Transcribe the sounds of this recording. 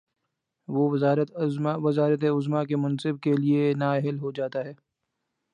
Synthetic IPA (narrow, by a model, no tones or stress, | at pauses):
ʋoːʋɪzaːɾət̪ʋɪzaːɾət̪̬eʊzmak̬emʊ̃nsɪb̚kelienaːɛɦəlɦod͡ʒaːt̪aɦɛː